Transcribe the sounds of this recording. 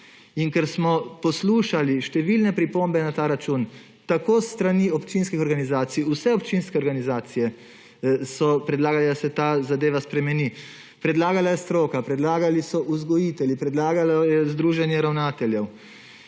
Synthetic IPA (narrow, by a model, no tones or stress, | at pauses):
iŋkɛɾsmɔpɔsluːʃaliʃt̪ɛʋilnɛpɾipombɛnat̪aːɾat͡ʃuːn | t̪akoːsːt̪ɾaniɔpt͡ʃinskixɔɾɡanizaːt̪siusɛɔpt͡ʃinskɛɔɾɡanizaːt̪sijɛ | sɔpɾɛd̪laːɡalɛd̪asɛt̪aːzad̪eːʋaspɾɛmɛni | pɾɛd̪laːɡalajɛst̪ɾoːkapɾɛd̪laːɡalisɔʔuzɡɔjit̪ɛljipɾɛd̪laːɡalajɛzd̪ɾuːʒɛnjɛɾawnaːt̪ɛljɛw